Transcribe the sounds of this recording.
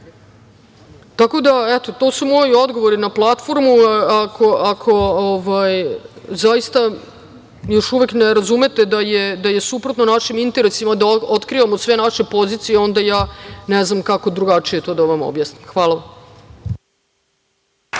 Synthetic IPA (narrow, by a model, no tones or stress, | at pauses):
t̪ako̞d̪aɛt̪o̞t̪o̞ːsumo̞jiod̪ɡo̞ʋo̞ɾinaplˠat̪fo̞ɾmuakʰoʔakʰo̞oʋajzaist̪a | jo̞ʃuʋekneɾazume̞t̪e̞d̪ajed̪aje̞supɾo̞t̪nonaʃimint̪e̞ɾesimad̪aot̪kɾiʋamo̞sʋe̞naʃe̞po̞zit̪sijeo̞nd̪ajaːneznamkako̞d̪ɾuɡat͡ʂije̞t̪o̞ːd̪aʋamo̰bjaːsnimxʋaːlˠaʋam